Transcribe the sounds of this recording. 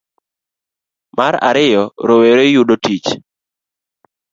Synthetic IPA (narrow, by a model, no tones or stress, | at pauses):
maɾa̰ɾɪjɔɾoweɾejuɗotit͡ʃ